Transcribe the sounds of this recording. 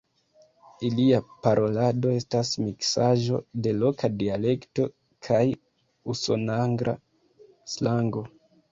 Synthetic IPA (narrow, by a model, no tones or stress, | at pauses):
iliapaɾʔo̞lado̞e̞stasmiksaʒo̞̰de̞lo̞kadiale̞kto̞ | kʰaj | uso̞naŋɡɾa̰ | slaŋɡo̞